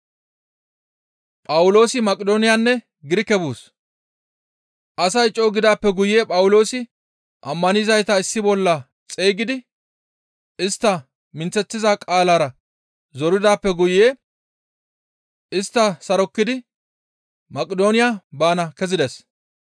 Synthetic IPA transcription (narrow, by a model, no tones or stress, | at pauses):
pʼɐwʊlo̞ːsɪmɐkʼɪd̪o̞ːnɪjaːnːɛ | ɡɪɾɪkːɛbuːs | ʔɐsɐjt͡ʃʼːoːɡɪd̪aːpːɛɡʊjje̞ːpʼɐwʊlo̞ːsɪ | ʔɐmːɐnɪzɐjt̪ɐɪsːɪbɔlːɐ | t͡sʼeːɡɪd̪ɪ | ɪst̪ːɐ | mɪnt͡sːɛt̪ːɪzakʼaːlaːɾɐ | zɔɾɪd̪aːpːɛɡʊjeː | ɪst̪ːɐsɐɾɔkːɪd̪ɪ | mɐkʼɪd̪o̞ːnɪjaːbaːnɐkɛzɪd̪ɛs